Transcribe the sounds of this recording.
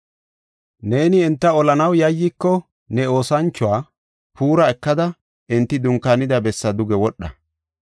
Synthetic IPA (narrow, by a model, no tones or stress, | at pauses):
ne̞ːnɪɛnt̪ːɐɔlɐnɐwjɐjːikːɔ | nɛo̞ːsɐnt͡ʃːʊwaː | puːɾɐɛkːɐd̪ɐ | ɪnt̪ːɪd̪ʊŋkːaːnɪd̪ɐbɛsːɐd̪ʊɡɛwɔɗːɐ̰